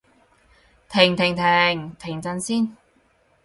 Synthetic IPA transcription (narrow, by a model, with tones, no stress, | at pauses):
t̪ʰɪ˨˩ŋt̪ʰɪ˨˩ŋt̪ʰe˨˩ŋt̪ʰɪ˨˩ŋt͡sɐ˧nsiː˥˩n